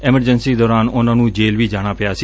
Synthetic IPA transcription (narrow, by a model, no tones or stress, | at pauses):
ɛməɾd͡ʒənsid̪oɾanonanũd͡ʒelʋid͡ʒaɽ̃ãpjat͡ʃʰ